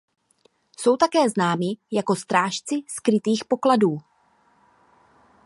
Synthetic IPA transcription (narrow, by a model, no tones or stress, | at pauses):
so̞wt̪akɛːznaːmɪjako̞st̪ɾaːʃt͡sɪskɾɪt̪iːxpo̞kladuː